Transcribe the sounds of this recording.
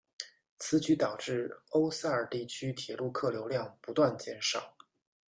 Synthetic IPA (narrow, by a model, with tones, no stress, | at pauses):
t͡sʰɹ̩˧˥t͡ɕy˧˥t̪ɑ˨˩ʊʈ͡ʂɻ̩˥˩o˥ʊsa˥˩ə˞˨˩t̪i˥˩t͡ɕʰy˥t̪ʰjɛ˨˩lu˥˧kʰɤ˥˩ljo˧˥ʊljɑ˥˩ŋpu˧˥t̪wa˥˧nt͡ɕjɛ˥˩nʂɑ˨˩˦ʊ